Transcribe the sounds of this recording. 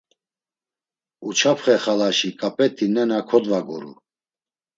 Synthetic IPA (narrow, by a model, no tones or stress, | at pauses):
ut͡ʃʰapʰχɛχalaʃikʼapʼɛt̪ʰːinɛnakʰɔd̪vaɡɔɾṵ